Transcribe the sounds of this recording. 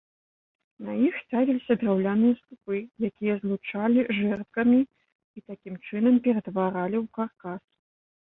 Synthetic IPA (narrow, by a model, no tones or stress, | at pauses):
nɐjixsʲt̪avʲilʲisʲɐd̪rawlʲanɨjɐst̪upɨjakʲijɐzlˠut͡ʂalʲiʐɛrt̪̚kɐmʲiː | t̪akʲimt͡ʂɨnɐmpʲɛɾɐt̪vaɾalʲiwkarkas